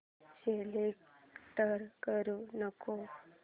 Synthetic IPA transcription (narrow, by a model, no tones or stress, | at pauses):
selekʈəɾkəɾunəko